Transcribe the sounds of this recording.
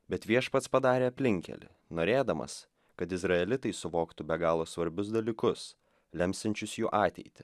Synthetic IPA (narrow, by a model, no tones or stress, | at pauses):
bʲɛt̪ʋʲiɛʃpɐt̪spɐd̪ɑːɾʲeːɐpʲlʲɪŋʲkʲɛ̰lʲɪ̰ | noːɾʲeːd̪ɐmɐ̰s | kɐt̪ɪzɾɐɛlʲɪt̪ɐɪsʊʋoːkt̪ʊbʲɛɡɑːlˠoːsʋɐɾʲbʲʊs̬d̪ɐlʲiːkʊs | lʲɛmʲst̪ʲɪnʲt͡ʃʲʊsjuːʔɑːt̪ʲɛ̰ɪt̪ʲɪ̥